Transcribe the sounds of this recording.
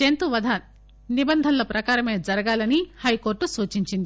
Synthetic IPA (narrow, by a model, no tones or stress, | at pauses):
ent̪uʋɐd̪ʱaː | nibɐnd̪ʱɐnlɐpɾɐkaːɾɐme̞ːd͡ʒɐɾɐɡaːlɐnihɐjko̞ːɾʈːusuːt͡ʃiɲt͡ʃind̪i